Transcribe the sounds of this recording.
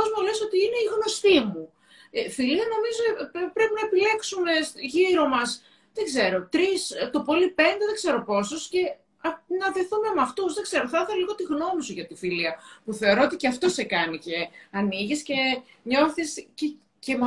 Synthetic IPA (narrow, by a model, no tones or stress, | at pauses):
ozmoleso̞t̪iine̞iɣno̞st̪imu | filiɐno̞mizopɾe̞pinɐepile̞ksume̞sʝiɾo̞mɐs | ðeɡze̞ɾo̞t̪ɾist̪o̞po̞lipe̞nd̪e̞ðe̞ɡzeɾo̞po̞sosce̞ | ɐnɐðe̞θume̞mɐft̪usðe̞ɡze̞ɾoθɐθeloliɣo̞t̪iɣno̞misuʝɐt̪ifiliɐpuθe̞o̞ɾo̞ot̪iceɐft̪o̞se̞kɐnice̞ɐniʝisce̞ | ɲo̞θisce | cemo